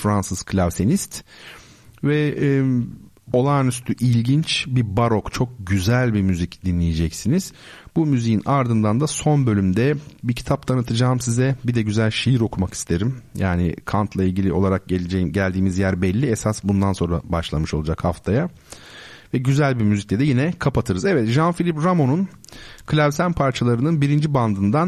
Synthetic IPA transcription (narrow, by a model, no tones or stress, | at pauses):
fɾansɯz̥kʰlʲavsenist̪ | vɛ | o̞lˠanyst̪ʰyʔilʲɟint͡ʃbibaɾo̞kt͡ʃʰo̞k̚ɟyzælʲbimyzicd̪inlʲijed͡ʒɛcsiniz̥ | bumyzijinaɾd̪ɯnd̪and̪aso̞nbø̞lʲymd̪ɛbicʰit̪ʰap̚t̪ʰanɯt̪ʰɯd͡ʒaːmsizɛbid̪ɛɟyzælʲʃijiɾo̞kʰumaki̥st̪ʰe̞ɾimjʔa̰ːnɪ̰kʰant̪lˠailʲɟilʲio̞lˠaɾak̚ɟe̞lʲed͡ʒɛjimɟælʲd̪iːmizjæɾbɛlʲːiesasbund̪anso̞nɾa̰baʃlˠamɯʃo̞lˠud͡ʒakhaft̪ʰaja | vɛɟyzælʲbimyziclʲɛd̪ɛjinɛkʰapat̪ʰɯɾɯzɛvɛt̪ʒanfilʲipɾamo̞nun | kʰɯlʲavsænpʰaɾt͡ʃʰalˠaɾɯnɯnbiɾind͡ʒiband̪ɯnd̪an